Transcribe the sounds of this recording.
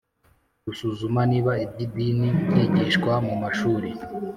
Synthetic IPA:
ɡusuzumaniːβaib̚ɟibinibjeɟiʃkwamumaʃuːɾe

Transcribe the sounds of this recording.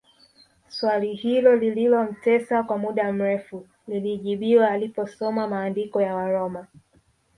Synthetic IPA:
swalihilɔlililɔm̩tɛsakwamuɗam̩ɾɛfu | liliʄiɓiwaːlipɔsɔmamaːndikɔjawaɾɔma

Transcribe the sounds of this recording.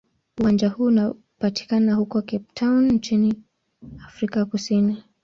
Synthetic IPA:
uwand͡ʒahuːna | pati̥kanahukɔkɛptʰawnn̩t͡ʃini | afɾikakusini

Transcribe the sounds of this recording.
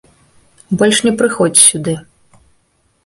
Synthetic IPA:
bɔlʲʂnʲɛpɾɨxɔd͡zʲsʲud̪ɨ

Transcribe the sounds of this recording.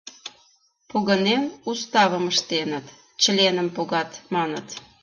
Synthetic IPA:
puɣə̆nemust̪ɑβə̆məʃt̪enət̪ | t͡ɕəlʲenəmpuɣɑt̪mɑnə̰t̪

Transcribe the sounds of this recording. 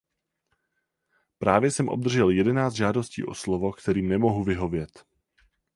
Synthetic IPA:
pɾʔaːvjɛsɛmʔo̞̰b̚d̪r̩ʒɛljɛdɛnaːt͡s̪ʒaːdo̞scḭːʔo̞slovo̞kt̪ɛɾiːmnɛmo̞ɦuvɪɦo̞vjɛt̪

